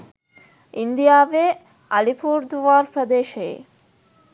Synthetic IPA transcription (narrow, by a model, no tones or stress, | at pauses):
ind̪ijaːʋeː | ɐlipuːɾd̪uʋaːɾpɾɐd̪eːʃɐjḛ